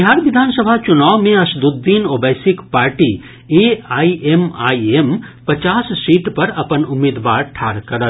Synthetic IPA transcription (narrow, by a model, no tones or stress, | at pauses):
biɦaːɾʋid̪ʱaːnsəbʱat͡ʃunaːwmẽɐsd̪ud̪ːiːnobəjsikpaːɾʈi | eaːiema̰ːiempɐt͡ʃaːssiːʈpɐɾɐpənʊmːeːd̪ʋa̰ːɾʈʰa̰ːɾkɐɾət̪